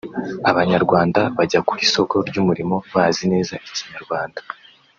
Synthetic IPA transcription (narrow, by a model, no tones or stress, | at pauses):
aβaɲaɾɡwaːndaβaɟakuɾiso̞ko̞ɾɟumuɾimo̞βazine̞ːzaʔiciɲaɾɡwaːndḁ